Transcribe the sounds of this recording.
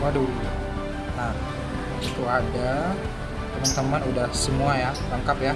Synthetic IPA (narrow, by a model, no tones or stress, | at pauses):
wadul | na | it̪uada | t̪əmant̪əmanudahsəmuajalaŋkapja